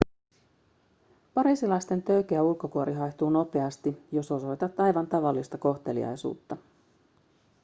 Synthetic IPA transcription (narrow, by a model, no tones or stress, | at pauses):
pɑɾiːsilɑjst̪e̞nt̪ø̞ɥk̟eæulko̞kuoɾiɦɑjçt̪uːno̞pe̞ɑst̪ijo̞so̞so̞jt̪ɑt̪ːɑjʋɑnt̪ɑʋɑlːist̪ɑko̞xt̪e̞lḭɑ̰jsṵːt̪ːɑ